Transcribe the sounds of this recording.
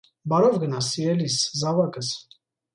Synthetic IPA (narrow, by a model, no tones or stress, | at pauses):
bɑɾɔvɡənɑsiɛliszɑvɑkəs